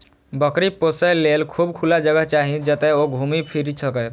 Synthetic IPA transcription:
bəkɾiposəlelkʰubkʰulad͡ʒəɡəɦt͡ʃaɦid͡ʒət̪eoɡʱumipʰiɾisʰəkɛ

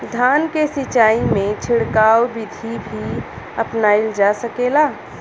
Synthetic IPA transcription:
d̪ʱaːnkesɪt͡ʃaːimẽt͡ʃʰɪɽkaːwbɪd̪ʱibʱi | əpnaɪld͡ʒasəkeːlaː

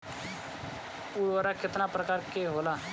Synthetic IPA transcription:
uːʋaːɾaːkɪt̪naːpɾəkaːɾkeːɦoːlaː

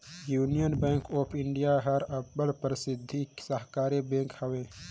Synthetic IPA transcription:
juːnijənbɛ̃ːŋkoːpʰɪɳɖijaɦəɾɐbbəlpɾɪsɪd̪ʱːiksəɦkaːɾibẽːŋkhəwẽː

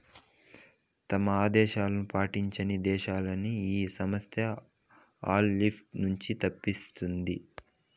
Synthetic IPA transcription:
t̪ɐmɐaːd̪ɛːʃaːlɐnupaːʈiɲt͡ʃɐnid̪ɛːʃaːlɐniiːsɐmɐst̪ʰjɐ | aːlːipʰʈnuɲt͡ʃit̪ɐpːist̪und̪i

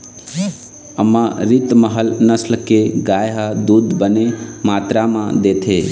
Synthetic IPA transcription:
əmːaɾit̪məɦəlnəslkeɡajɦəd̪ud̪bənemat̪ɾamãd̪et̪ʰe

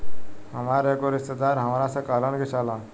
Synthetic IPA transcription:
ɦəmaɾekoɾist̪əd̪aɾɦəmɾasəkaləɳɡisala

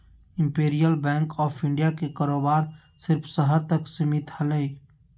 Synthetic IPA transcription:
ɪ̃mpeːɾijəlbɛ̃ːŋkɔːpʰɪ̃ɳɖijakekaːɾoːbaːɾ | sɪɾfʰsəɦəɾt̪əksɪmɪt̪hələi

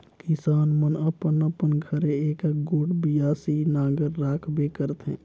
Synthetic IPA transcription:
kɪsaːnmənəpənəpənɡʱəɾeeːkeɡoːɽbijaːsinaːɡəɾːaːkʰbekəɾt̪ɦɛ̰̃ː

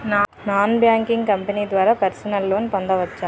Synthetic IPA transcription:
n | naːnbjaːŋkiŋɡkɐmpɐniːd̪ʋaːɾaːpɐɾsɐnɐlːo̞ːnipɐnd̪ɐʋɐt͡ʃːaː

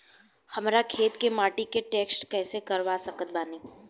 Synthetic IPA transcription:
hɐmɾakʰeːt̪kemaːʈikeʈeːksʈkɛːsekɐɾʋasɐkət̪̚baːniː

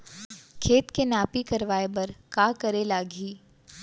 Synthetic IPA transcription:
kʰeːt̪kenaːpikɐɾʋaːebɐɾkaːkɐɾelaːɡʱiː

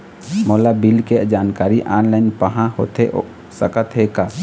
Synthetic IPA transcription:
mɔlabɪlked͡ʒaːnkaːɾiʔaːnlaːɪnpəɦãho̰t̪e | səkət̪ɦeka

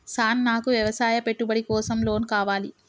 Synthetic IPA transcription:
saːnːaːkuʋjɐʋɐsaːjɐpe̞ʈːubɐɽikɔːsɐmlo̞ːnkaːʋaːli

